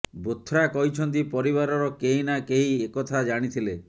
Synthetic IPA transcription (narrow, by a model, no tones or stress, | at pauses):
bot̪ʰːɾakɔɦit͡ʃʰɔnt̪̬ipɔɾiβaɾɔɾɔkeɦinakeɦiekɔt̪ʰad͡ʒaɽ̃it̪ʰile